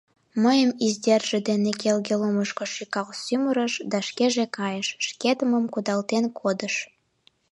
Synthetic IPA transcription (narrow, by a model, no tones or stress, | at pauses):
məjəmizd̪erʒed̪enekelɡeluməʃkoʃikɑlsyməɾəʃd̪ɑʃkeʒekɑjəʃʃket̪əməmkud̪ɑlt̪enkʰod̪əʃ